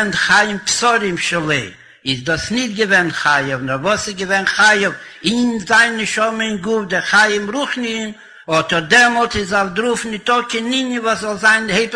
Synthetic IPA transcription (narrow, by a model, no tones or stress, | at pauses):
ntχajɪmpsɔɾɪmʃɛlˠeɪ | ɪzdɔsnɪtɡəvɛnχajəvnɔɾvɔsɪzɡəvɛnχajəv | ɪnzaɪnnɪʃɔməɪŋɡufdɪχajəmɾuχnɪn | ɔtəɾdɛɾmɔlˠtɪz̬afdɾufnɪtɔkɪnɪɲənvɔszɔlˠzaɪnheɪp